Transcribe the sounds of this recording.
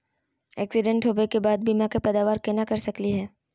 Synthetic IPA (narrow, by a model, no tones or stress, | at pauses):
ɛ̰ːksɪɖə̃ɳʈɦoːbekebaːd̪̚biːmãkepɛːd̪aːʋaːɾkenakɐɾsɐkliɦɛː